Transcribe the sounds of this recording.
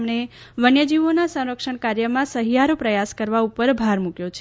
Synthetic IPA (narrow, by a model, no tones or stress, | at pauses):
mneʋənjəd͡ʒiʋonasə̃w̃ɾəkʃəɳ̃kaɾjəmãsəɦijaɾopɾəjaskəɾʋaupəɾbʱaɾmukjot͡ʃʰ